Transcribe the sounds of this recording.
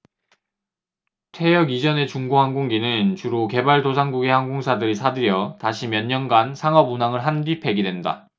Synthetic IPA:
tʰe̞jʌɡid͡ʑʌne̞t͡ɕuŋɡoɦanɡoŋɡinɯnt͡ɕuɾoke̞baɭdosʰaŋɡuɡehanɡoŋsʰadɯɾisʰadɯɾjʌtaɕʰimjʌɲːʌnɡansʰaŋʌbunaŋɯɭɦandipʰe̞ɡidwe̞nda̰

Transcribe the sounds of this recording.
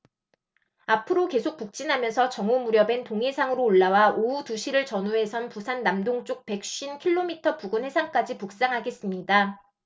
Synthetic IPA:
apʰɯɾoke̞sʰok̚puk̚t͡ɕ͈inɦamjʌnsʰʌt͡ɕʌŋomuɾjʌbe̞ntoŋesʰaŋɯɾoːɭːawaoutuɕʰiɾɯɭt͡ɕʌnue̞sʰʌnpusʰanːamdoŋt͡ɕ͈ok̚pe̞k̚ɕɕ͈inkʰiɭːomitʰʌpuɡɯnhe̞sʰaŋk͈ad͡ʑipuk̚s͈aŋɦaɡe̞s͈ɯmɲida

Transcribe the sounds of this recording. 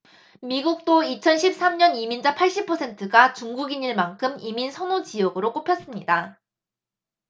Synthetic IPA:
miɡuk̚t͈oit͡ɕʰʌnɕʰip̚s͈amɲʌnimind͡ʑapʰaɭɕ͈ipʰʌsʰe̞ntʰɯɡat͡ɕuŋɡuɡiɲiɭmaŋkʰɯmiminsʰʌnot͡ɕijʌɡɯɾok͈opʰjʌs͈ɯmɲida

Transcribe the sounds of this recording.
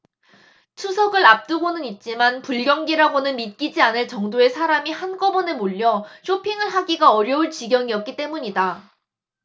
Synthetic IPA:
t͡ɕʰusʰʌɡɯɾap̚t͈ɯɡonɯnit̚t͡ɕ͈imanpuɭɡjʌŋɡiɾaɡonɯnmit̚k͈id͡ʑianɯɭt͡ɕʌŋdoe̞sʰaɾamihanɡʌbʌne̞moʎːʌɕʰopʰiŋɯɭɦaɡiɡaʌɾjʌuɭt͡ɕiɡjʌŋiʌt̚k̚k͈it͈e̞muɲida

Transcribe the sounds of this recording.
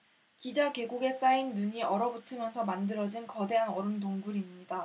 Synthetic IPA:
kid͡ʑake̞ɡuɡe̞s͈ainːuɲiʌɾʌbutʰɯmjʌnsʰʌmandɯɾʌd͡ʑinkʌde̞ɦanʌɾɯmt̬oŋɡuɾimɲida

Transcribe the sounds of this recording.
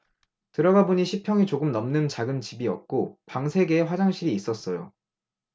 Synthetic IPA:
tɯɾʌɡaboɲiɕʰipʰjʌŋit͡ɕoɡɯmnʌmnɯnt͡ɕaɡɯnt͡ɕibiʌ̰k̚k͈opaŋsʰe̞ɡe̞ːɸwad͡ʑaŋɕʰiɾiːs͈ʌs͈ʌjo̰

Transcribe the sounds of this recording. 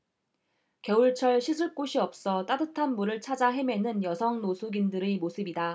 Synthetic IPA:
kʌuɭt͡ɕʰʌɭɕʰisʰɯɭk͈oɕʰiʌp̚s͈ʌt͈adɯtʰanmuɾɯɭt͡ɕʰad͡ʑaɦe̞me̞nɯnjʌsʰʌŋnosʰuɡindɯɾemosʰɯbida

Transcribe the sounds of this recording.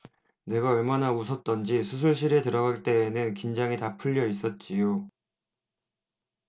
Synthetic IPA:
ne̞ɡaʌɭmanausʰʌt̚t͈ʌnd͡ʑisʰus̬ʰuɭɕ̬͈iɾe̞tɯɾʌɡaɭt͈e̞ːnɯnkind͡ʑaŋitapʰuʎːʌis͈ʌt̚t͡ɕ͈ijo

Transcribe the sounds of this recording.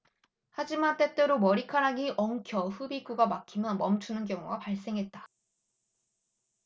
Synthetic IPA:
had͡ʑimant͈e̞t͈e̞ɾomʌɾikʰaɾaɡiʔʌŋkʰjʌɸubikuɡamakʰimjʌnmʌmt͡ɕʰunɯnkjʌŋuɡapaɭs͈e̞ŋɦe̞t̚t͈ḁ

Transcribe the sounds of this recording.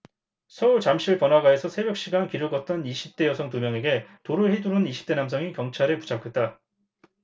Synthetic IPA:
sʰʌuɭt͡ɕamɕʰiɭpʌnɦaɡae̞sʰʌsʰe̞bjʌk̚ɕ͈iɡankiɾoɡʌt̚t͈ʌniɕʰip̚t͈e̞jʌsʰʌŋt̬umjʌŋe̞ɡe̞toɾɯɭheduɾɯniɕʰi̥p̚t͈e̞nams̬ʰʌŋikjʌŋt͡ɕʰaɾɯpu̥t͡ɕʰakʰet̚t͈a

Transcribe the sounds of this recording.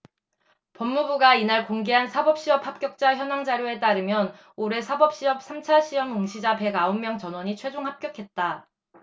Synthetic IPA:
pʌmːubuɡainaɭkoŋɡe̞ɦansʰabʌp̚ɕ͈iʌp̚hap̚k͈jʌk̚t͡ɕ͈açjʌnaŋd͡ʑaɾjoe̞t̬͈aɾɯmjʌn | oɾe̞sʰabʌp̚ɕ͈iʌp̚s͈ʰamt͡ɕʰaɕʰiʌmɯŋɕʰid͡ʑape̞ɡaomːjʌŋt͡ɕʌnwʌɲit͡ɕʰwe̞d͡ʑoŋɦap̚k͈jʌkʰe̞t̚t͈a

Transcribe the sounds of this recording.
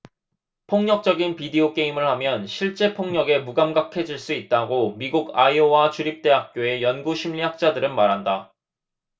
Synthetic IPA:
pʰoŋɲʌk̚t͡ɕ͈ʌɡinpideok͈e̞imɯɭhamjʌnɕʰiɭt͡ɕ͈e̞pʰoŋɲʌɡe̞muɡamɡakʰe̞d͡ʑiɭs͈uit̚t͈aɡomiɡuɡaiowat͡ɕuɾip̚t͈e̞ɦak̚k͈joe̞jʌnɡuɕʰimʎiɦak̚t͡ɕ͈adɯɾɯnmaɾɦanda

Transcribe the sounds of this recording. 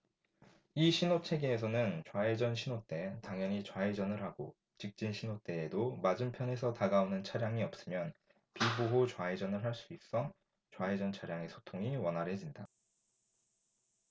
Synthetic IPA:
iɕʰinot͡ɕʰe̞ɡeːs̬ʰʌnɯnt͡ɕwae̞d͡ʑʌnɕʰinot͈e̞taŋjʌɲit͡ɕwaed͡ʑʌnɯɭɦaɡo | t͡ɕik̚t͡ɕ͈inɕʰinot͈e̞ːdomad͡ʑɯmpʰjʌne̞sʰʌtaɡaonɯnt͡ɕʰaɾjaŋiʌp̚s͈ɯmjʌn | piboɦot͡ɕwaed͡ʑʌnɯɭɦaɭs͈uik̚s͈ʌŋ | t͡ɕwaed͡ʑʌnt͡ɕʰaɾjaŋe̞sʰo̥tʰoŋiwʌnɦaɾɦe̞d͡ʑinda

